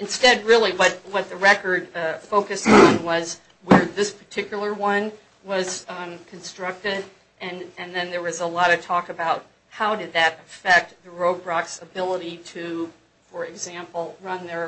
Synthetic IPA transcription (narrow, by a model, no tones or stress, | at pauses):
ɨ̃nstɛd̚ɹɪlˠiwʌt̚wʌt̪̚ðɨɹɛkə˞d̥̚foʊkɨstn̩wʌz | wə˞ðɪspʰə˞tʰɪkjl̩ˠə˞wʌ̃n | wʌz̥kʰɨ̃n̩stɹ̥ʌk̚tɪɾ | ʔɨ̃nɨ̃nðɨ̃nðə˞wʌzəlɔɾɨtʰɔkɨbaʊt̚ | haʊdɨd̪̚ðɨɾɨfɛk̚t̪̚ðɨɹoʊbɹɑksəbɪlˠəɾiɾɨ | fə˞ɨɡzæ̃mpl̩ˠɹʌ̃nðə˞